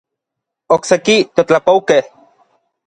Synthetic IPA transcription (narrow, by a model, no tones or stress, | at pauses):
oksekit̪ot͡ɬapoukeh